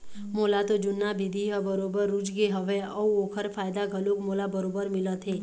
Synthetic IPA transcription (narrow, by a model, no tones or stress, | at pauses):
moːlat̪od͡ʒʊnːabʱɪd̪ʱiɦəbəɾoːbəɾːʊd͡ʒɡeɦəʋeɔːoːkʰəɾfʰaːjd̪aɡʱəlokmoːlabəɾoːbəɾmɪlət̪ʰɦẽː